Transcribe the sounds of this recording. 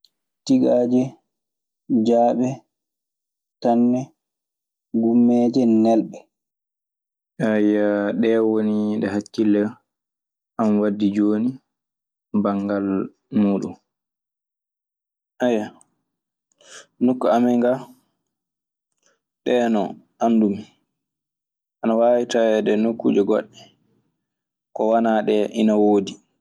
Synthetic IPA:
tiɡaːd͡ʒɛ | d͡ʒaːɓɛ | tanːɛ | ɡumːɛːd͡ʒɛnɛlɓɛ | ajːaɗɛwoniɗɛɦat͡ʃːilːɛ | ʔamwadːid͡ʒoːni | baŋɡal | muːɗṵm | ʔajːa | nokːuamɛŋɡa | ɗɛːnɔ̰ | ʔandum | anawaːwitawɛdɛnokːṵd͡ʒɛɡɔɗːɛ | kɔwanaɗɛʔinawoːdi

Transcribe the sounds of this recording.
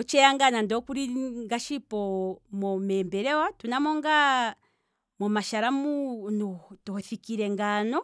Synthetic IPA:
ɔt͡ʃɛaŋɡanandɔkuɾiŋɡaʃipɔmɔmɛmbɛɾɛwatunamɔŋɡa | mɔmaʃaɾamunutuhɔθikiɾɛŋɡanɔ

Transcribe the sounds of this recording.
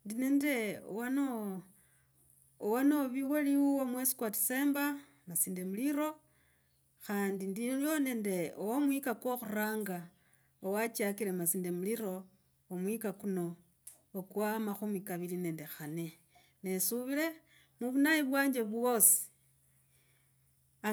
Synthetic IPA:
ndineːnde̞o̰wano | owanoβiweliwuwomwesi̥kwati̥se̞ːmba | nasiːndemuliɾo̞ | xaːndindiljonende̞owomwikakwoxuraːŋɡa | owat͡ʃakilemasinde̞muliɾo̞ | omwikakuno̞ː | kwamaxumikaβiline̞ndexane̞ | nesuβile̞ | muβunajiβwaːɲd͡ʒeβwosi̥ | a

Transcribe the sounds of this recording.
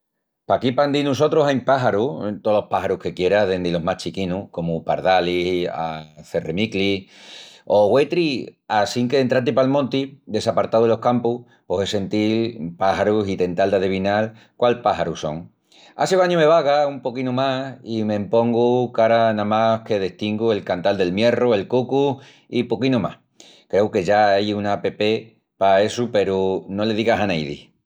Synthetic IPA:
pakipand̪inuso̞t̪ɾoɦajmpaɦaɾut̪olo̞hpaɦaɾuhke̞kje̞ɾaðend̪elo̞ɦmaht͡ʃikinuhko̞mupa̰ɾðalia̰θe̞remikli | o̞ɣwe̞t̪ɾiasiŋkeent̪ɾat̪̬ipalmõ̞nt̪id̪e̞sapaɾt̪awðelo̞hkampuh | posese̞nt̪ilpahaɾusit̪e̞nt̪ald̪að̞eβ̞inal | kwalpaɦaɾuso̞̰ŋ | a̰seβaɲũme̞βaɣaumpo̞kinumasime̞mpo̞ŋɡukaɾanãmahke̞ðeht̪iŋɡue̞lkant̪ald̪e̞lmje̞roe̞lkuku | ipokinoma̰h | kɾe̞uke̞ʝaajunape̞pe̞ | paesupe̞ɾuno̞le̞ðiɣasanejðḭ

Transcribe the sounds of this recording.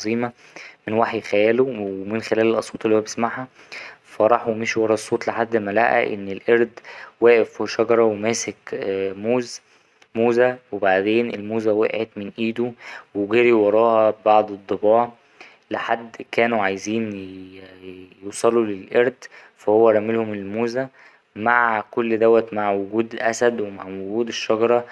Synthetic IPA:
ɑzˤiːmɑ | menwaħjxæjæːlomenxelæːlelʔɑsˤoːt̪ˤelihowæbesmaʕhæ | fɑɾˤɑħumeʃwɑɾˤɑːsˤːoːt̪ˤleħad̪ːmælæʔæ̰ʔḛnːelʔeɾd̪wæːʔefwʃɑɡɑɾˤɑwemæːsekmoːz | moːzæwebaʕd̪eːnelmuːzæwæ̰ʔʕet̪menʔiːd̪uweɡeɾiwɑɾˤɑːhɑbɑʕd̪ˤed̪ˤːebɑːʕ | leħad̪ːkæːnuʕajziːn | juːsˤɑlulelʔeɾd̪fæhowːæɾˤɑmelhomelmuːzæ | maʕkolːd̪æwːæt̪maʕwoɡuːd̪ʔæsæd̪wema̰ʕwoɡuːd̪eʃːɑɡɑɾˤɑ

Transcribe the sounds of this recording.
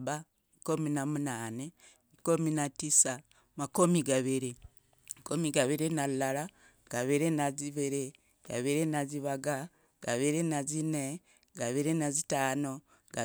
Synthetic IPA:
βa | kominamunaːne | kominatisa | makomiɡaβiɾi | makomiɡaβiɾinalala | ɡ̥aβiɾenaziβeɾe | ɡ̥a̰βiɾenaziβaɡa | ɡ̥aβiɾenazine | ɡaβiɾenazitaːno | ɡa

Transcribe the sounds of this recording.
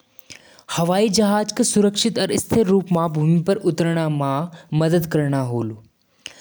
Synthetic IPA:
hɐʋaːid͡ʒɐɦaːd͡ʒksʊɾəkʃɪt̪ɐɾɪst̪ʰeɾːuːpmãbʱumipəɾʊt̪ɾɽ̃amãməd̪əd̪kəɾɳ̃aɦoːlu

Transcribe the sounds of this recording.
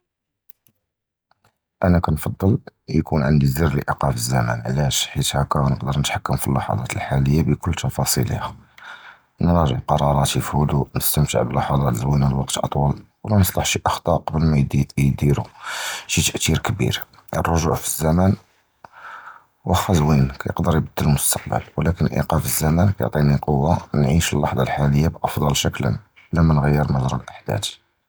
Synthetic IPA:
ʔænækænfɑd̪ˤːəljkunʕənd̪izərliʔiqɑfəzːæmæ̰nʕlæʃħit̪hækæɣnəqd̪əɾnət̪ħakːəmfilːɑħɑ̰d̪ˤɑt̪əlħaləjːabəkʊlːt̪ɑfɑsˤḭlæ | nɾˤɑʒəʕqɑɾˤɑɾˤɑt̪əfulunəst̪əmt̪ə̰ʕbəlːɑħɑd̪ˤɑt̪əzwinælwɑqt̪ʔɑ̰t̪ˤwɑlwlænəsˤlɑħʃiʔɑxt̪ˤɑqɑbəlmæjd̪iɾuʃit̪əʔt̪iɾkbḭɾ | ʔə̰rˤːoʒuʕfizːæmæn | wəxɑzwinkæjə̰qd̪əɾjbəd̪ːələlmʊst̪ɑ̥q̚bə̰lwlækənʔḭqɑfizːæmænkæjo̰ʕt̪ˤiniqowːanʕiʃəlːɑħd̪ˤɑlħaləjːabʔɑfd̪ˤɑlʃəklə̰n | læmænɣəjːəɾmɑzɾˤɑlʔaħd̪æ̰t̪

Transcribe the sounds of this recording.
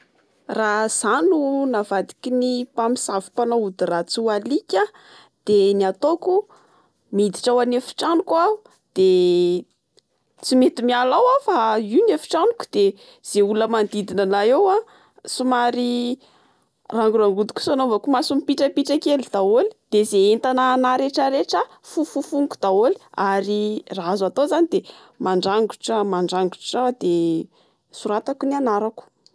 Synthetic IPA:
raz̥anunavad̪i̥kʲinipamisavu̥panoud̪irat͡sualikʲa | d̪̥eniat̪oku | mid̪iʈ͡ʂawanefi̥ʈ͡ʂanukuau | d̪̥e | t͡simet̪imialawafaiwnefi̥ʈ͡ʂanuku̥d̪̥e | z̥euləmand̪id̪inanaewa | sumaɾi | raŋɡuɾaŋɡud̪i̥kʲu̥sanovakumasumipiʈ͡ʂəpiʈ͡ʂakelid̪̥aoli̥d̪̥ezeent̪ananaɾeʈ͡ʂəɾeʈ͡ʂə | fufufuŋku̥d̪̥aoli̥aɾiraazat̪ozanid̪e | maɳɖ͡ʐaŋɡu̥ʈ͡ʂamaɳɖ͡ʐaŋɡuʈ͡ʂrawad̪̥e | suɾat̪akunianaɾaku̥

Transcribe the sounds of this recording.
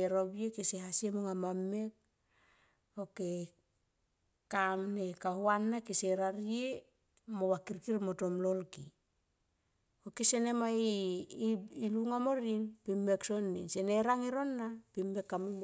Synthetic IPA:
eɾobjekesehasiemuŋamamːe̞k̚ | oke | kamnekahuanːakeseɾaɾie | moβakiɾkiɾmoto̞mlo̞lki | okesene̞mai | iluŋamoɾinpimːeksonːinseneɾaŋeɾo̞nːapimːe̞kːamum

